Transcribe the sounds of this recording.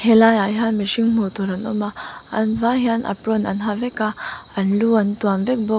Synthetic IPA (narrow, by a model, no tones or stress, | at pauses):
helajajɦanmeʃiŋmut̪ʰoɾanɔmaɐ̰nvaɦjana̰pɾona̰nɦavekaanluantuamvek̚bɔ